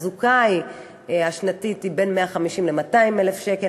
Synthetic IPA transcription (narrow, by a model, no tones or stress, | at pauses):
zukaj | aʃnatitibe̞nmeaχamiʃimlemataimelefʃeke